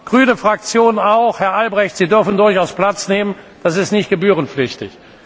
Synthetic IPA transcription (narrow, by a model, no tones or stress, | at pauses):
ɡ̥ʁyːnəfʁ̥ak̚t͡sjoːnaʊxhɛɐʔalbʁɛçtz̥iːdʏɐfn̩dʊɐçaʊspl̥at͡sneːmən | d̥asɪstnɪçt̚ɡ̥əbyːʁ̞ənflɪçtɪ̰ç